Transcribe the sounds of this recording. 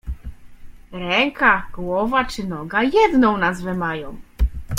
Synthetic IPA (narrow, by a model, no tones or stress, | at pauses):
ɾɛŋkaɡwɔvat͡ʂɘnɔɡajɛd̪nɔ̃w̃nazvɛmajɔ̃w̃